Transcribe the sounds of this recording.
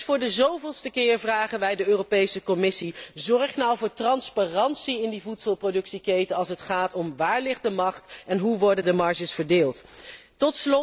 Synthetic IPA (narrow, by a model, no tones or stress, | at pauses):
fʊːɹdəzowvɪlˠstəkɪːɹvraːχənʋɛjdəøːropejsəkɔmɪsizɔɹχnɑwvʊːɹtrɑnspaːrɑnsiɪndivutsəlˠprodɵksikejtəɑlˠsətχaːtɔmʋaːɹlɪχdəmɑχtɛnɦuʋɔɹdəndəmɑɹʒəsfəɹdeːlˠt | tɔtslɔ